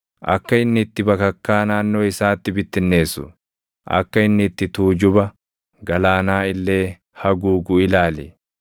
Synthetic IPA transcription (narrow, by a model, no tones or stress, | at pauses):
ʔɐ̰kːɐɪnːɪt̪ːɪbɐkɐkːaːnaːnːo̞ːɪsaːt̪ːɪbɪt̪ːɪnːe̞ːsːʊ̰ | ʔɐ̰kːɐɪnːɪt̪ːɪt̪uːd͡ʒʊbɐ | ɡɐlaːnaːɪlːe̞ː | hɐɡuːɡʊɪlaːlɛ̰